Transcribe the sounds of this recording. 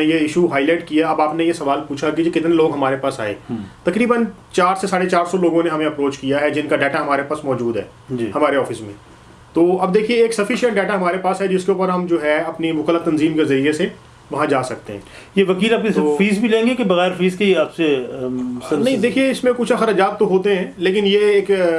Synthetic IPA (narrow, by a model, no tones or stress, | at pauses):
ẽjeɪʃuɦaːɪlaːɪʈkijaɐbaːpnẽjesɐʋaːlpuːt͡ʃʰakid͡ʒekɪt̪nẽloːɡɦɐmaːɾepaːsa̰ːḛːt̪ɐkɾiːbən | t͡ʃaːɾsesaːɽet͡ʃaːɾsɔloːɡõneɦɐmẽɐpɾoːt͡ʃkijaɦɛd͡ʒɪnkaɖɛːʈaɦɐmaːɾepaːsmɔːd͡ʒuːd̪ɦɛ̰ː | d͡ʒiːhɐmaːɾeɔːfɪsmḛ̃ | t̪oːɐb̚d̪eːkʰieːksɐfɪʃə̃ɳʈ̚ɖɛːʈaɦɐmaːɾepaːsɛd͡ʒɪskeuːpəɾɦɐmd͡ʒoːɦɛɐpnimʊkəlat̪ɐnziːmkezɐɾiese | ʋɐɦãd͡ʒaːsɐk̚t̪eɦɛ̰̃ː | jeʋɐkiːlaːp̚kesfiːzbʱilẽːŋɡekebɐɣɛːɾfiːzkeiaːpse | snɐ̃ɦĩd̪eːkʰieɪsmẽkuːt͡ʃʰaxɐɾaːd͡ʒaːt̪̚t̪oɦoːt̪eɦɛ̃ːleːkɪnjeːk